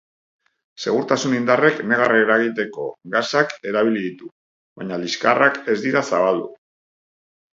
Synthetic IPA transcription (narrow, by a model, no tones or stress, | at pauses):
se̞ɣ̞uɾt̪asunind̪are̞kne̞ɣareeɾaɣit̪e̞ko̞ɡasake̞ɾaβ̞iliðit̪u | βaɲaliskarake̞zd̪iɾasaβald̪ṵ